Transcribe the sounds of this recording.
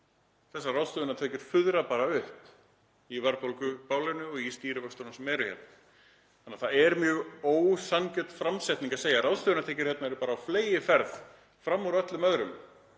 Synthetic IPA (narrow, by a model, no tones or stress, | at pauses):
θɛsːarawst̪œːðʏnat̪ʰɛːcʏɾ̥fʏðɾapaːɾaʏhp | ivaɾpolkʏpaːwlɪnʏɔɣist̪iːɾɪvœkst̪ownasɛmɛːɾʏhçɛ̰t̪na | anːaðθaɛɾmjœːɣoːwsancœt̪fɾamsɛjt̪niŋkaseːjarawðst̪œːðʏnat̪ʰɛːcʏɾ̥hjɛt̪naɛɾʏpaːɾaːwfleːjɪfɛɾð | fɾamːuɾœt̪lʏmœðɾʏm